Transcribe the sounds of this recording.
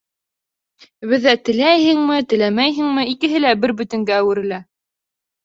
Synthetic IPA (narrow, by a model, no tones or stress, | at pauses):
βɘ̆ðːæt̪ɘ̆læjhɘ̆ŋmɘt̪ɘ̆læmæjɦɘ̆ŋmɘikɘ̆ɦɘlæbɘɾbɵ̆t̪ɘ̆ŋɡæːwɘ̆ɾɘ̆læ